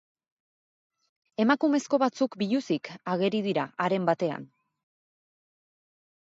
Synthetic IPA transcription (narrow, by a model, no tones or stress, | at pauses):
e̞makume̞sko̞βat͡sukbiʎusikaɣ̞e̞ɾið̞iɾaaɾe̞mbat̪e̞a̰n